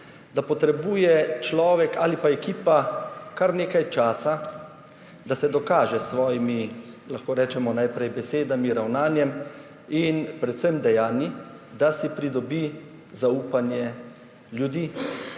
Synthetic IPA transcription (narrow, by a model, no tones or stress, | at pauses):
d̪apɔt̪ɾɛbuːjɛt͡ʃlɔːʋɛkaːlipaɛkiːpakaɾneːkajt͡ʃaːsa | d̪asɛd̪ɔkaːʒɛsʋɔːjimi | laxkoːɾɛːt͡ʃɛmɔnajpɾɛjbɛseːd̪amiɾawnaːnjɛm | inpɾɛt̪sɛmd̪ɛjaːnji | d̪asipɾid̪ɔbi | zauːpanjɛ | ljud̪iː